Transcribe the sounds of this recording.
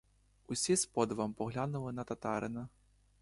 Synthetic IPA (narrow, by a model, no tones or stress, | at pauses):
usʲispɔd̪vampɔɣlʲanulˠɨnɐt̪at̪aɾɨnɐ